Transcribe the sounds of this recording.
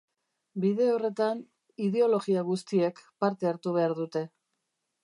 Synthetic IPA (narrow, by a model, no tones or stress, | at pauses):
biðe̞o̞re̞t̪an | iðe̞o̞lo̞ɣiaɣust̪ie̞kpaɾt̪e̞aɾt̪uβ̞e̞aɾðut̪e̞